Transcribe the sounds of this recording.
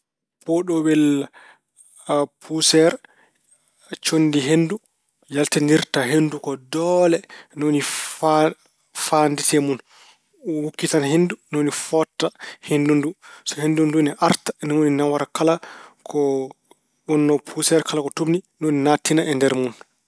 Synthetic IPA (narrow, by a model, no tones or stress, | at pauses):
pɔɗɔbɛl | pʰusɛɾ | t͡ʃondiɦendu | jaltandiɾtaɦendukɔdɔlɛnoni | fanditɛmun | wukːitanhendunonifɔtːahendundusɔhendunduniʔaɾtḁnɛwoninawaɾakalakʰɔ | ɓɔnːɔpʰusɛɾkalakɔtomninoninatːinaɛndɛɾmun